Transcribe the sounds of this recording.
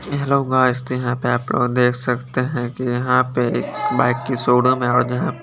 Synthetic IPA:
ɛɦloɡaːst̪jɐɦãpeaːpːd̪eːkʰsɐkt̪eɦɛ̃kijɐɦãpeḛːkbaːɪkːisoːɽõmẽɔːɾd͡ʒɐɦãp

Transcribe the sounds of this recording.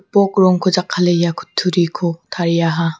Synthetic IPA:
pɔkɾɔŋkʰɯd͡ʒakʰːalejakʰu̥tʰːuɾikʰot̪ʰaɾijaɦa

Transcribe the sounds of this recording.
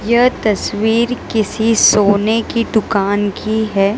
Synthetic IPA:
jɐɦt̪ɐsʋiːɾkɪsisoːnekid̪ʊkaːnkiɦɛː

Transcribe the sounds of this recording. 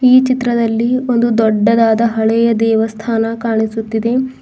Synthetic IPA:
iːt͡ʃit̪ɾɐd̪ɐlːio̞nd̪ud̪ɔɖːɐd̪aːd̪ɐɦɐɭɛjɐd̪ɛːʋɐst̪ʰaːnɐkaːɳisut̪ːid̪e̞

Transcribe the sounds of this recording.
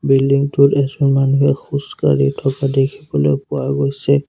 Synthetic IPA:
bildiŋtʊtɛsɔmanuɦɛxuska̰ɹitʰɔkadekʰibɔlojpʊwaɡojsɛ

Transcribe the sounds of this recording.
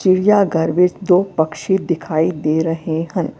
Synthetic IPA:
t͡ʃiɽijaɡɐɾʋɪt͡ʃd̪oːpɐkʃid̪ɪkʰaːid̪eːɾɐɦeɦɐ̃n

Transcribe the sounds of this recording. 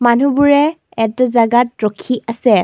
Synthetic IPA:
manubuɹɛ | ɛtzaɡatɹɔkʰiʔasɛ

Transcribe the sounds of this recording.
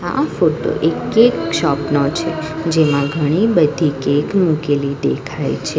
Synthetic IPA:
a̰foʈo̰ʔekekʃɔpnot͡ʃʰed͡ʒemãɡʱəɽ̃ibəd̪ʱikekmukelid̪ekʰajt͡ʃʰe

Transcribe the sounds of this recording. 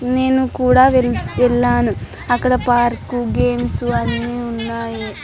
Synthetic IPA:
neːnukuːɽaʋelʋelːaːnu | ɐkːɐɽepaːɾkuɡeːmsuɐnːiunːaːji

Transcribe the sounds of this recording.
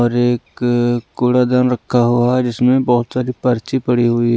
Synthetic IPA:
ɔːɾeːkː | ʊːɽad̪aːnɾɐkʰːaɦuaad͡ʒɪsmẽbɐɦʊt̪saːɾipɐɾt͡ʃipɐɽiɦuiɦ

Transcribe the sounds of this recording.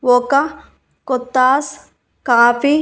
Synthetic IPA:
ʋoka | kot̪ːaːs | kaːfi

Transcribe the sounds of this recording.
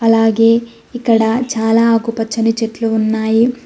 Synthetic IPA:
ɐlaːɡeː | ikɐɽɐt͡ʃaːlaaːɡupɐt͡ʃːɐnit͡ʃeʈluʋunːaːji

